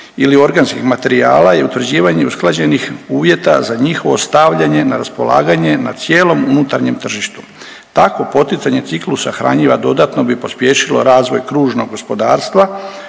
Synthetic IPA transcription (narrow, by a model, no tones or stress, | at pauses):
ilio̞ɾɡanskixmat̪e̞ɾia̰ːlaje̞ut̪ʋr̩d͡ʑiːʋaɲe̞usklˠad͡ʑe̞nixuːʋje̞t̪a̰zaɲixo̞ʋo̞st̪aʋʎaɲe̞naɾaspola̰ːɡaɲe̞nat̪sje̞ːlo̞munut̪aɾɲe̞mt̪r̩ʒiʃt̪u̥ | t̪ako̞po̞t̪it̪saɲe̞t̪siklˠusaxɾa̰ɲiːʋad̪o̞d̪at̪no̞bipo̞spje̞ʃilo̞̰ɾaːzʋo̞jkɾuːʒno̞ɡɡo̞spo̞d̪aːɾst̪ʋa